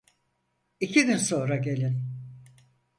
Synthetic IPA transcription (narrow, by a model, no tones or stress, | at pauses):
icʰiɡʲynso̞nɾaɟe̞lʲin